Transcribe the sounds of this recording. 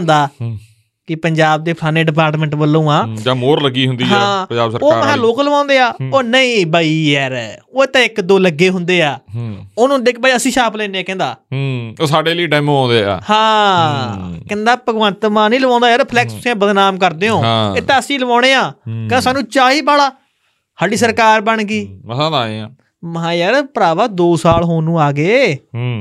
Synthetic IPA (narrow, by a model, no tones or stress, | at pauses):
nd̪aː | kɪpəɲd͡ʒaːb̚d̪eːpʰaːneːɖɪp̬aːɾʈmə̃ɳʈbəlːũːãːd͡ʒãːmoːɾləɡiːɦʊnd̪iːɦãːpəd͡ʒaːbsəɾoːɦɛ̃ːloːkləʋãːnd̪eːaːoːnəĩːbaːiːɦɛːɾoːɪt̪ãːɪkd̪oːləɡːeːɦʊnd̪eːaːonũd̪ek̚ʰbaːiːəsĩːʃaːplɛːneaːkɛ̃ːnd̪a̰ːoːsaːɖeːliːʈɛːmːãːnd̪eːa̰ːhãː | kɛ̃ːnd̪aːpəɡʋə̃nt̪mãːnĩːləʋãːnd̪aːjaːɾpʰlɛːksʊsiãːbəd̪naːmkəɾd̪eːɦõːɪt̪ãːəsĩːləʋãːɽ̃ẽːãːkãːsaːnũːt͡ʃaːɦiːbaːlaː | haːɖiːsəɾkaːɾbəɳɡiːəsãːd̪aːḭã̰ː | mɦãːjaɾpəɾaːʋaːd̪oːsaːlɦoːnũːaːɡeːɦ